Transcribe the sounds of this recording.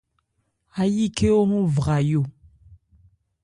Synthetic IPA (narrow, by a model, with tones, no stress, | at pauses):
a˦ji˦ke˦o˦ŋu˦vʁa˨jo˦˨